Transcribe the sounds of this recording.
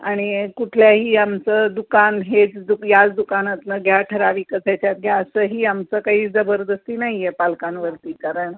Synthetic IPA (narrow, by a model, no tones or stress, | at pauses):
aɽ̃ikuʈʰljaɦiːamt͡səd̪ukanɦed͡zd̪ukjad͡zd̪ukanət̪nəɡʱjaʈʰəɾaʋiːkəsʰat͡ɕjat̪̚ɡʱjaəsəɦiːamt͡səkaɦiːd͡zəbəɾd̪əst̪inaɦijepalkanʋəɾt̪iːkaɾəɳ